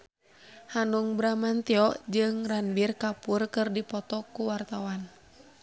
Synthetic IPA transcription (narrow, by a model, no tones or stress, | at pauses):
hanuŋbɾamant̪iɔʔd͡ʒɨŋranbirkapurkɨrdipɔt̪ɔkuwart̪awan